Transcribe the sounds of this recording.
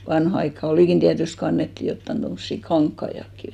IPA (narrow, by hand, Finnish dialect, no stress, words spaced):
ʋɑnhɑ ɑikːɑ oliˑkin tiætyst ko ɑnːetːi jotːɑn tomːosːi kɑŋkːɑij̆ɑkːi